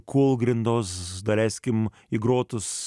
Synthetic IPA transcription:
kʰulˠɡɾʲɪnd̪oːsd̪ɐlʲæsʲkʲɪm | ɪɡɾoːt̪ʊs

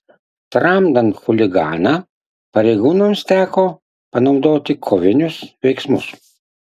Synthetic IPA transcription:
t̪ɾɑmd̪ɐnxʊlʲɪɡɑ̰ːnɐ | pɐɾʲɛɪɡuːnomst̪ʲæːkoː | pɐnɒʊd̪oːt̪ʲɪkʰoʋʲɪnʲʊsʋʲɛɪksmʊs

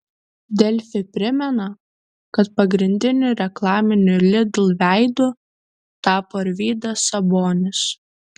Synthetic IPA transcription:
d̪ʲɛlʲfʲɪpʲɾʲɪmʲɛnɐ | kɐt̪pɐɡɾʲɪnʲd̪ʲɪnʲʊɾʲɛklˠɑːmʲɪnʲʊlʲɪd̪lˠʋʲæˑɪd̪ʊ | t̪ɑːpoːɪɾʲʋʲiːd̪ɐsɐboːnʲɪs

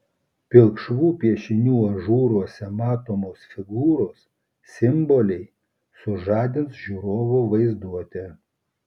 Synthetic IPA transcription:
pʲɪlˠkʃʋuːpʲiɛʃʲɪnʲuːɐʒuːɾuɔsʲɛmɑːt̪oːmoːsfʲɪɡuːɾoːs | sʲɪmbɔlʲɛɪ | sʊʒɑːd̪ʲɪnsʒʲuːɾoːʋoːʋɐɪzd̪uɔt̪ʲɛ

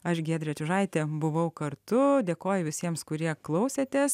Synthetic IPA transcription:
ɐʃɡʲɛːd̪ʲɾʲɛt͡ʃʲʊʒɐɪt̪ʲeːbʊʋɐʊkɐɾt̪ʊd̪ʲeːkoːjʊʋʲɪsʲiɛmskʊɾʲiɛklˠɐʊsʲet̪ʲɛs

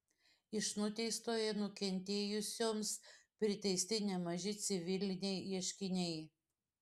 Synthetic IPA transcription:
ɪʃnʊt̪ʲɛɪst̪oːjɛnʊkʲɛnʲt̪ʲeːjʊsʲoːmspʲɾʲɪt̪ʲɛɪsʲt̪ʲɪnʲɛmɐʒʲɪt̪sʲɪʋʲɪlʲɪnʲɛɪiɛʃʲkʲɪnʲɛɪ

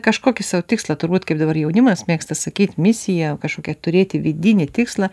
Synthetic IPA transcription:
kɐʃkoːkʲɪsɑʋt̪ʲɪkslˠɐt̪ʊrbuːt̪kɐɪp̚d̪ɐbɐrjɛʊnʲɪmɐsmʲeːkst̪ɐsɐkʲiːt̪ʲmʲɪsʲɪjɛkɐʃkoːkʲɛt̪ʊɾʲeːt̪ʲɪʋʲɪd̪ʲɪnʲɪtʲɪkslˠɐ

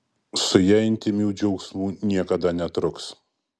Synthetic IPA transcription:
sʊjɛːɪnʲt̪ʲɪmʲuːd͡ʒʲɛʊksmuːnʲiɛkɐd̪ɐnʲɛt̪ɾʊks

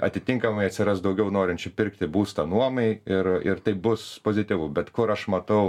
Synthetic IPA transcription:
ɐ̰t̪ʲɪt̪ʲɪŋkɐmɐɪɐt̪ʲsʲɪɾɐst̪d̪ɐʊɡʲɛʊnoːɾʲɪnʲt͡ʃʲʊpʲɪɾkt̪ʲɪbuːst̪ɐnuɔmɐɪɪrɪɾt̪ɐɪpbʊspoːzʲɪt̪ʲɪʋʊbʲɛt̪kʊɾɐʃmɐt̪ɐʊ

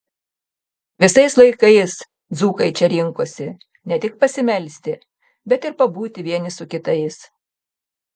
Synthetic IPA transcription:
ʋʲɪsɐɪslˠɐɪkɐɪs | d̪zuːkɐɪt͡ʃʲɛɾʲɪŋkoːsʲɪ | nʲɛt̪ʲɪk̚pɐsʲɪmʲɛlʲsʲt̪ʲɪ | bʲɛt̪ɪɾpɐbuːt̪ʲɪʋʲiɛnʲɪsʊkʲɪt̪ɐɪs

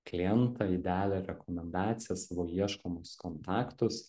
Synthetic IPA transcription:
klʲɪɛnt̪ɑɪd̪ʲæːlʲɛɾʲɛkɔmʲɛnd̪ɑːt̪sʲɪjɛsɑːʋoːiɛʃkomʊskɔnt̪ɑːkt̪ʊs

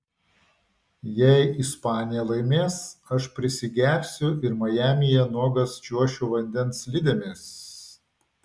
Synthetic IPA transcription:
jɛɪʔɪspɑːnʲɪjɛlˠɐɪmʲeːsɐʃpʲɾʲɪsʲɪɡʲæːpʲsʲʊɪɾmɐjæːmʲɪjɛnuɔɡɐst͡ʃʲuɔʃʲuːʋɐnʲd̪ʲɛnslʲɪd̪ʲɛmʲeːs

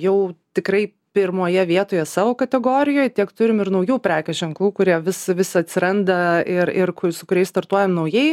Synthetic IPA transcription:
jɛʊt̪ʲɪkɾɐɪ | pʲɪɾmoːjɛʋʲiɛt̪oːjɛsɑːʋoːkɐt̪ʲɛɡoːɾʲɪjoːjtʲiɛkt̪ʊɾʲɪmɪrnɐʊjuːpʲɾʲæːkʲɛʒʲɛŋklˠuːkʊɾʲiɛʋʲɪsɪʋʲɪsʲɪɐt̪ʲsʲɪɾɐnd̪ɐɪɾɪrkʊsʊkʊɾʲɛɪst̪ɐɾt̪uɔjɛmnɐʊjɛɪ

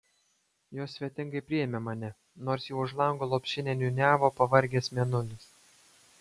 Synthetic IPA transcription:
joːsʲʋʲiɛt̪ʲɪ̃ŋɡɐɪpʲɾʲɪjɛmʲemɑːnʲɛ | noːɾsjɛʊʊʃlˠɐŋɡoːlˠoːpʲʃʲɪnʲɛːnʲunʲæːʋoːpɐʋɐɾʲɡʲeːsmʲɛnʊlʲɪs

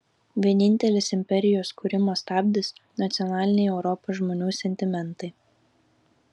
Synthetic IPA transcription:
ʋʲiɛnʲɪnʲt̪ʲɛlʲɪsɪmʲpʲɛɾʲɪjoːskuːɾʲɪmoːst̪ɑːbʲd̪ʲɪsnɐt̪sʲɪjɔnɑːlʲɪnʲɛɪɛʊɾɔpoːʒmoːnʲuːsʲɛnʲt̪ʲɪmʲɛnˑt̪ɐɪ

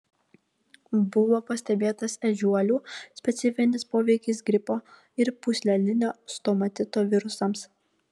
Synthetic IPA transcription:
bʊʋoːpɐsʲt̪ʲɛbʲeːt̪ɐsɛʒʲuɔlʲuːsʲpʲɛt̪sʲɪfʲɪnʲɪspoːʋʲɛɪkʲɪs̬ɡɾʲɪpoː | ɪɾpʊsʲlʲɛlʲɪnʲoːst̪omɐt̪ʲɪt̪oːʋʲɪɾʊsɐms

